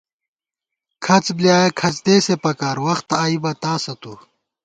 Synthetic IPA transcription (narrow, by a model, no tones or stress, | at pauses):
kʰɐt͡sbljaːjekʰɐt͡sd̪eːsepɐkaːɾwɐxt̪aːibɐt̪aːsɐt̪u